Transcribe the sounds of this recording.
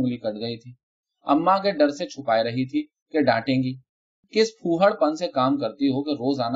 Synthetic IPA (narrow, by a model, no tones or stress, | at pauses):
ŋlikɐɽɡɐit̪ʰiː | ɐmːãkeɖɐɾset͡ʃʰʊpaːiɾɐɦit̪ʰi | keɖãːʈẽːŋɡiː | kɪspʰuːɦəɽpɐnsekaːmkɐɾt̪iɦokeɾoːzaːna